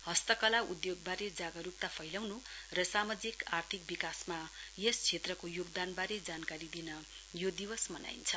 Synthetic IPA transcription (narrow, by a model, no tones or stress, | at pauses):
hʌst̪ʌkʌlaud̪joɡ̚baɾed͡zaɡʌɾup̚t̪apʰʌjlʌwnurʌsamʌd͡zikart̪ʰik̚bikasmajest͡sʰet̪rʌkojoɡd̪anbaɾed͡zankaɾid̪inʌ | jod̪iwʌsmʌna̰jint͡sʰʌ